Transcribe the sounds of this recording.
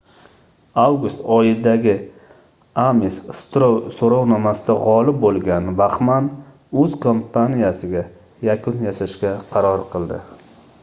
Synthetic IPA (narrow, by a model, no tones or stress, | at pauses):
awɡʊst̪ɒjɪd̪aɡʲɪ | amisst̪ɾowsoɾɒwnɒmasɪd̪aʁɒlɪp̚bolˠɡʲanbaχman | ɵz̥kʰompʰanijasɪɡʲa | jakʰʊnjasaʃkʲaqʰɑɾɒɾqʰɨlˠd̪ɪ̰